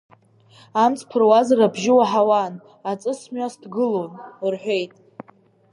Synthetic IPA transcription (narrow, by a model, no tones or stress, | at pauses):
amt͡sʰʼpʰɨrwazrabʒɪwaħawan | at͡sʼɨsmʷasdɡɨlonrħʷᶣe̞jtʼ